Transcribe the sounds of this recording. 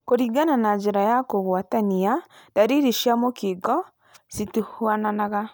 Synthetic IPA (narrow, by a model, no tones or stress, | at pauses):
koɾiːɡananad͡ʒeɾajakoɣwataniadaɾiɾiʃjamokeɡɔ | situhwananaɣa